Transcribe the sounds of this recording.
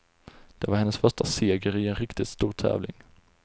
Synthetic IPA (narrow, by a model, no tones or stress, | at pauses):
d̪̥ɛvaɾhɛnːəsfœʂʈaseːɡəɾɪɛnɾɪkt̪ɪt̪st̪uːɾt̪ʰɛ̰ːvlɪ̰ŋ